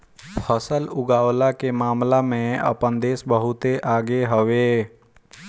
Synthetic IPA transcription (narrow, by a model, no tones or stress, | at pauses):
pʰəsəlʊɡaːwlakemaːmlamẽə̰pənd̪eːsbəɦʊt̪eʔaːɡeɦəʋeː